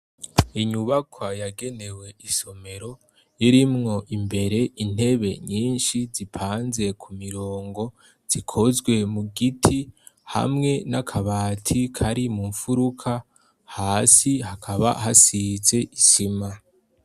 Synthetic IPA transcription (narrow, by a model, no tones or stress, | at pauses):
iɲuβakʰwajaɡe̞ne̞we̞iso̞me̞ɾo̞ | jiɾimŋo̞ʔimbe̞ɾe̞in̥e̞βe̞̰ɲiːnʃizipʰaːnze̞kʰumiɾoːŋɡo̞ | z̥ikʰo̞zɡwe̞muɡitʰi | ha̰mŋe̞nakʰaβaːtʰikʰaɾimuɱfuɾukʰa | haːsihakʰaβa̰ɦasize̞ʔisima